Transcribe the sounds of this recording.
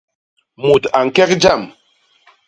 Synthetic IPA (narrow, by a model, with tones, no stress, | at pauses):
mu˨ta˨ŋ̩˨kɛ˦k̚d͡ʒa˦˨m